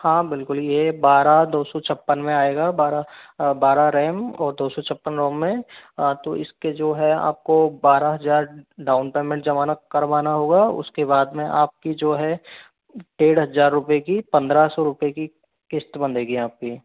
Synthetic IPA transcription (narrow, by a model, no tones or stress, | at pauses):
hãːbɪlkʊljebaːɾad̪oːsɔt͡ʃʰɐpːənmẽaːeːɡaːbaːɾabaːɾaɾɛːmɔːɾd̪oːsɔt͡ʃʰɐpːənɾõːmːẽt̪oʔɪsked͡ʒoːɦɛa̰ːp̚kobaːɾaɦɐzaːɾɖaːʊnpeːmẽɳʈd͡ʒɐʋaːnakɐɾʋaːnaɦoːɡaːʊ̰skebaːd̪mẽʔa̰ːp̚kid͡ʒoːɦɛ | ʈeːɽɦɐzaːɾːʊpjekipɐ̃nd̪ɾasɔɾʊpjeki | kɪst̪bɐ̃nd̪eːɡiaːp̚ki